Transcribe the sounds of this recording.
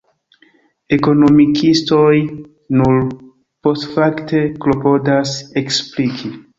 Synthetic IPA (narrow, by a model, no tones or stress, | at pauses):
e̞ko̞no̞mikʰisto̞j | nuɾ | po̞stfakte̞klopo̞daseksplikʰi